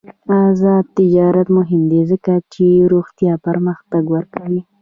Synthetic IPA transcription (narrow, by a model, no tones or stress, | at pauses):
azɑd̪̚t̪ɪd͡ʒɑɾat̪mʊɦɪmd̪ezəkat͡ʃeɾoɣt̪jɑpəɾməxt̪aɡwəɾkawi